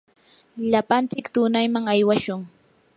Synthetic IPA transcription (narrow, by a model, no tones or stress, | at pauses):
ʎapant͡sɪkt̪ʊnajmaŋajwaʃʊŋ